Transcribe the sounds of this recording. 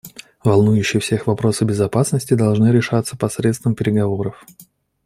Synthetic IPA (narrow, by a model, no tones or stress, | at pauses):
vɐlˠnujʉɕːɪjfsʲexvɐpɾo̞səbʲɪzɐpasnəsʲtʲɪd̪ɐlˠʐnɨɾʲɪʂat̪sːə̥pɐsɾʲet̪st̪vəmpʲɪɾʲɪɡɐvo̞ɾəf